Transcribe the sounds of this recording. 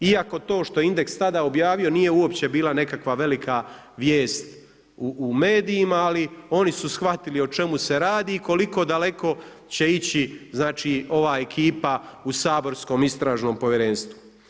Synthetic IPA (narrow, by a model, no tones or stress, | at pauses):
iako̞t̪o̞ːʃt̪o̞jeind̪e̞kst̪ad̪ao̞bjaːʋio̞nije̞uo̞pt͡ɕe̞biːlane̞kakʋaʋe̞likʰa | ʋjeːst̪ | uʔːme̞ːd̪iːmaːlio̞nisusxʋat̪ilio̞t͡ʃe̞muse̞ɾaːd̪iːko̞liko̞ːd̪ale̞ko̞ | t͡ɕe̞it͡ɕiznaːt͡ʃiːo̞ʋaːe̞kʰiːpausaːbo̞ɾsko̞ːmist̪ɾaːʒno̞ːmpo̞ʋjeɾe̞ːnst̪ʋu